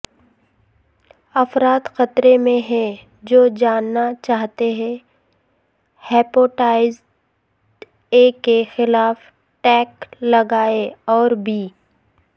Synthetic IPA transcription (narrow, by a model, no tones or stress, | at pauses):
ɐfɾaːt̪xɐt̪ɾemẽɦɛ̃ | d͡ʒoːd͡ʒaːnːat͡ʃaːɦt̪eɦɛ̃ | hɛːpoːʈaːɪzɖ | eːkexɪlaːf | ʈɛːklɐɡaːeɔːɾbʱiː